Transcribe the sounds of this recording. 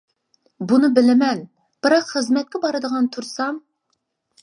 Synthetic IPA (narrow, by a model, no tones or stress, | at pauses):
bunɨbɪlɪmɛn | b̥ɨɾɑqχəzmɛt̪̚kʲɛbɑɾɨd̪əʁɑnt̪ʰuɾsɑm